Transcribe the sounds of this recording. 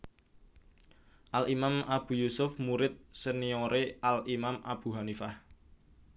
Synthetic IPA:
ʔalimamab̥ṳjusʊfmuɾɪt̪̚sənioɾeʔalimamʔab̥ṳɦanifah

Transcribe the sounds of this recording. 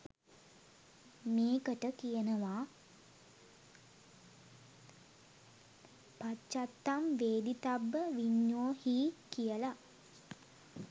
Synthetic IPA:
meːkəʈəkijənəʋaː | pat͡ʃːat̪ːamʋeːd̪it̪abːəʋiɲːoːhiːkijəla

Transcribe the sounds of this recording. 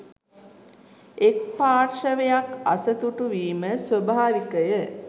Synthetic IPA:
ek̚paːrʃəʋejaka̰sət̪uʈuʋiːməsʋəbʱaːɾikəjə

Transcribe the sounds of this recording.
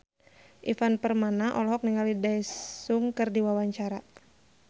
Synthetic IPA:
ʔifanpərmanaʔɔlɔɦɔk̚niŋalidasuŋkɨrdiwawaɲt͡ʃaɾa

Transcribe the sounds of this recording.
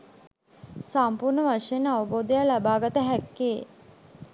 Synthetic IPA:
sampuɾnəʋaʂejenaʋəboːd̪əjalabaːɡət̪əɦækːeː

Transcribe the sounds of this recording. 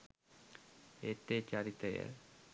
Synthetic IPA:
et̪ːet͡ʃaɾit̪ɐjə̰

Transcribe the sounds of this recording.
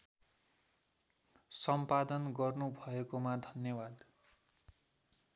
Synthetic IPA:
sʌmpad̪ʌnɡʌrnubʱʌekomad̪ʱʌnjʌbad̪

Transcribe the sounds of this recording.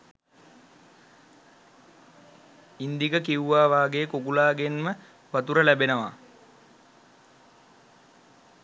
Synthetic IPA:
ind̪ikəkiuʋaːʋaːɡeəkokulaːɡenmə | ʋat̪uɾəlæbenəʋa̰

